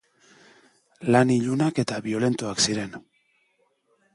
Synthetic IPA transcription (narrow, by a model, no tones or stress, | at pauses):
laniʎunake̞t̪aβio̞le̞nt̪uaksiɾe̞n